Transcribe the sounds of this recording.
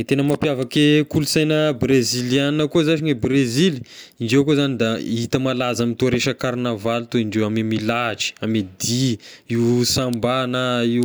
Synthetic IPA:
t̪enəmapjavakekulusajnəbrezilianəkuzaʃiɲebreziliiɳɖ͡ʐewkozanid̪ait̪əmalazamit̪oɾeʃəkaɾnavalt̪oiɳɖ͡ʐewamemilaʈ͡ʂi̥amed̪iiwsambanai

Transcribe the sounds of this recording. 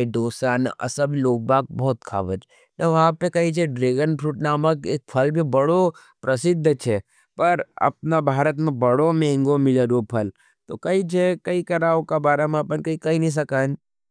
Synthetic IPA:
d̪oːsaːnɐ̰sɐbʱiloːɡ̚baːk̚bɔːt̪kʰa̰ːʋə̰d͡ʒ | nɐʋɐɦãpekɐit͡ʃʰeɖɾeːɡənpʰɾuːʈnaːməkeːk̚pʰɐlbʱibɐɽo | pɾɐsɪd̪ʱːət͡ʃʰe | pɐɾɐ̰p̚nabʱaːɾət̪mẽbɐɽomɛ̃ːŋɡomɪləɾopʰɐl | t̪okɐit͡ʃʰekɐikɐɾaːokabaːɾamãːpənkɐikɐinɐĩs̬ɐkaːn

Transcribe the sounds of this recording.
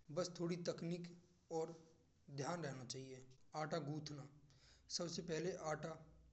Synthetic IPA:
bəst̪ʰoːɽit̪əkniːk | ɔːɾ | d̪ʱjaːnɾɛɦnat͡ʃaːɦieaːʈaɡuːt̪ʰnasɐbsepɛɦleʔaːʈa

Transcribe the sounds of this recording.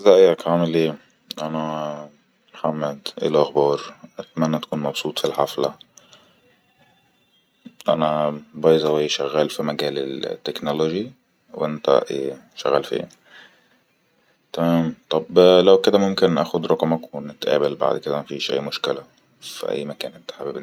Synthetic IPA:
zæʔjækʕamɪlʔeː | ʔænæ | mħamːæd̪ʔḛlæxbɑːɾˤʔat̪mænːæt̪ḁkuːnmɑbsˤuːt̪ˤfilħafla | ʔænæbɑːjzæwæːʃæɣːæːlfimæɡæːlɪ̰lt̪ːeknoloʒi | wʔent̪æ̰ʔḛː | ʃæ̰ɣːæːlfḭː | t̪æmæːmt̪ˤɑblæwked̪æmomkɪnʔæ̰ːxod̪ɾˤɑqmæknɪt̪ʔæ̰ːbælba̰ʕd̪ked̪æmæfiʃʔæ̰jːmʊʃkɪlæ | fḭʔæ̰jːmækæːnʔent̪ḁħabib

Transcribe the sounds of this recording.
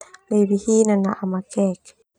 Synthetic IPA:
leβihinanaʔamakɛk

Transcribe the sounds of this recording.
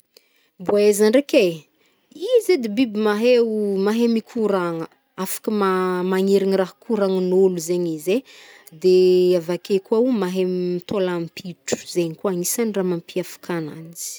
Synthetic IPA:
bezaɳɖ͡ʐekʲe | ized̪ebibimaɦewmaɦemikʰuɾaŋə | afḁkəmamaŋeɾinraɦkuɾaŋənuluzeɲize | d̪eavakekuaumaɦemmit̪olampiʈ͡ʂu̥z̥eɲikwanisaniramampiafḁkʰana̰nzi̥

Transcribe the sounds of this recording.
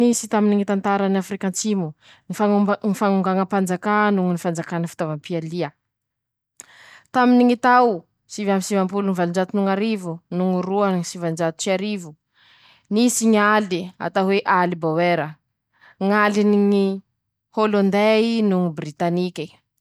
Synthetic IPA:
nisit̪aminiŋit̪ant̪aɾanafrikant͡simu | nifaŋnifaŋuŋɡaŋəpand͡zakanuŋunifand͡zakanəfi̥t̪avampialiə | t̪aminiŋit̪aw | sivamisivampulunivalind͡ʒat̪unuŋaɾivunuŋuɾuaŋisivand͡ʒat̪u̥t͡ʃiaɾivu | nisiŋalia̰t̪aɦweʔalibaweɾə | ŋaliniŋi | holond̪einuŋubrit̪anikʲi

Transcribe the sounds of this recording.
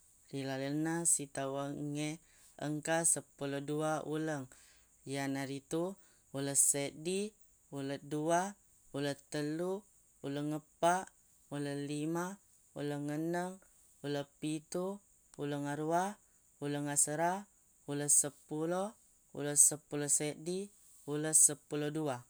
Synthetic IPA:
rilalənasit̪awəŋe | ə̰ŋkasəpuloduaʔṵləŋ | janaɾit̪u | uləsedi | ulədua | ulət̪əlu | uləŋːəpaʔ | uləlima | ṵləŋːənəŋ | uləpit̪u | uləŋaɾua | uləŋasəɾa | uləsəpulo | ṵləsəpulosedi | uləsəpulodua

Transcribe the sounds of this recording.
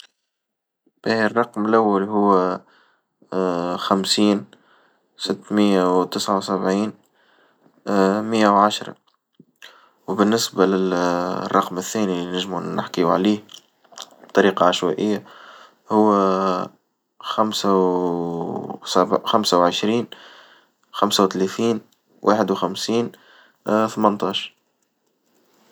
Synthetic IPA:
b̥ihrˤːɑqmɪlʔawːalɦʊwː | xamsiːn | sɪt̪ːmɪjːawt̪ɪsʕawsæbʕiːn | mɪjːawʕaʃɾˤɑ̰ | wbɪnːɪsbalɪlrˤːɑqmɪθːæːnilinɪʒmunːɪ̰ħkiwʕliːh | b̚t̪ˤːɑɾiːqɑʕaʃwæ̰ːʔɪjːa | hʊwː | xamsa | sæbxamsawʕəʃɾiːn | xamsawt̪læθiːn | wʔa̰ːħəd̪wxamsiːn | θmənt̪ˤɑːʃ

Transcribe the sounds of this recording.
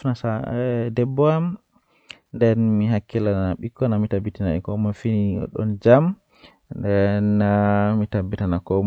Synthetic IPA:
nasadɛbːɔam | ndɛnmiɦakːilanaɓikːɔnamitabitinaɛkɔmafiniɔ̰ɗɔ̰nd͡ʒam | ndɛnːamitabːitanakɔ

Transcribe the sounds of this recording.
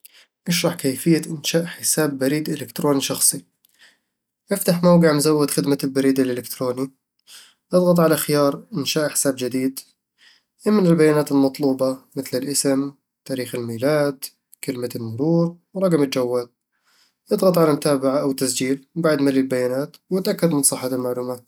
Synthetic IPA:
ʔɪʃɾˤɑħkaːfɪjːaʔɪnʃaːʔħɪsaːbːaɾiːd̪ʔɪlɪkt̪ɾoːniʃɑxsˤi | ʔɪft̪aħmawɡɪʕmzawːɪd̪xɪd̪malbaɾiːd̪alʔɪlɪkt̪ɾoːni | ʔɨd̪ˤɣɑt̪ˤʕalaxɪjɑːɾˤʔɪnʃaːʔħɪ̥saːbd͡ʒɪd̪iːd̪ | ʔɪmːɪnɪlbajːaːnaːt̪ɪlmɑt̪ˤluːbɑmɪθlɪlʔɪsɪm | t̪aːɾiːxɪlmiːlaːd̪ | kɪlmalmʊɾuːɾwɾˤɑɡmɪld͡ʒawːaːl̚ | ʔɨd̪ˤɣɑt̪ˤʕalamʊt̪aːbaʕaʔawt̪ːasd͡ʒiːlbaʕd̪malilbajːaːnaːt̪wɪt̪ʔakːad̪mɪnsˤɨħɑɪlmaʕluːmaːt̪̚

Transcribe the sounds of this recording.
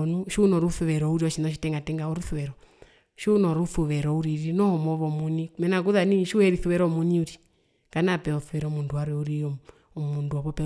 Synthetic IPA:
nuʃunɔɾuθuβɛɾɔuɾiɔʃinɔʃ̬itɛŋɡatɛŋɡaɔɾuθuβɛɾɔ | ʃunɔɾuθuβɛɾɔuɾiɾinɔhɔmɔβɔmunimɛnak̬uðaniʃuhɛɾiθuβɛɾɔmuniuɾi | ŋɡ̥anapɛɔθuʋɛɾɔmunduaɾwɛuɾi | ɔmunduɔβɔpɛ

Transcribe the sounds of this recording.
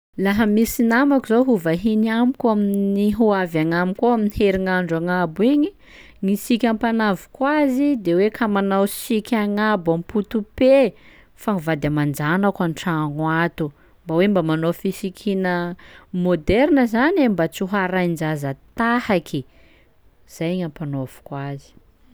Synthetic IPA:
laɦəmisinamakuzoɦuvaɦinamikʲaminniɦuavjaŋamikoaminiheɾiŋaɳɖ͡ʐaŋabwiɲi | ŋisikʲampanavu̥kwazid̪ewekʰamanawsikʰʲaŋabamput̪upe | faŋivad̪amand͡ʒanakanʈ͡ʂaŋwat̪u | mbawembamanofisikʰinəmod̪ɛɾnəzanembat͡suɦaɾajnd͡ʒazət̪ahakʰi | z̥ajɲampanov̥u̥kwazi̥

